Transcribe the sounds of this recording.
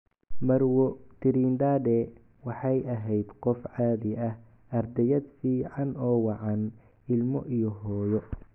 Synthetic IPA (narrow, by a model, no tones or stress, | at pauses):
mɐɾwɔt̪ʰɪɾiːnd̪aːd̪ɛ | wɑħɑjʔɐɦɛjd̪qɔfʕaːðɪʔɐh | ɐrd̪ɛjɐd̪fiːʕɑnɔːwɑʕɑn | ɪlmɔ̰ʔijɔɦɔːjɔ